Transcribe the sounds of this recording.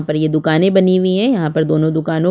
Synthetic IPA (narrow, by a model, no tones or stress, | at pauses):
pɐɾjed̪ʊkaːnẽbɐniwiɦɛ̃jɐɦãpɐɾd̪oːnõd̪ʊkaːnõ